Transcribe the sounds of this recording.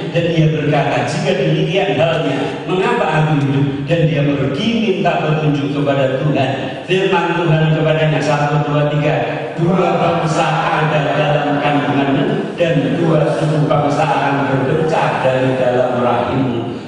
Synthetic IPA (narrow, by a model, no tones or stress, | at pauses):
dandiabərkat̪ad͡ʒikadimikianɦalɲa | məŋapaʔak̪iɦidʊp̚dandiamərɡimint̪aʔbərt̪uɲd͡ʒʊkkəpadat̪uɦan | firmant̪uɦankəpadaɲasat̪uduat̪iɡa | duapaməsaʔadaɾidalamkanaŋanan | danduasukupaməsaɦaʔanbərbət͡ʃadaɾidalamrahimu